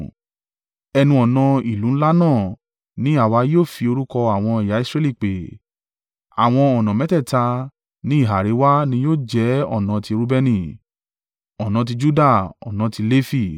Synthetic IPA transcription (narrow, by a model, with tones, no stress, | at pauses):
ɛ˧nũ˧ɔ˨nã˧i˨lũ˨˦la˦nãː˦˨ | nĩ˨˦a˦˨wa˧˦joː˦˨fi˧o˧ɾu˦kɔ˧a˨w̃ɔ̃˧i˨ja˨˦i˦sɾɛ˧li˦˨k͡pe˨ | a̰˨w̃ɔ̃˧ɔ˨nã˨mɛ˨˦tɛ˦˨ta˧ | nĩ˦i˦˨ɦa˨ɾe˨˦wa˦nĩ˧˦joː˦˨d͡ʒɛ˨˦ɔ̰˦˨nã˨˧ti˧ɾu˦bɛ˧nĩ˧˨ | ɔ˨nã˨˧t̬i˧d͡ʒu˦da˦˨ɔ̰˨nã˧ti˧le˦fi˦˨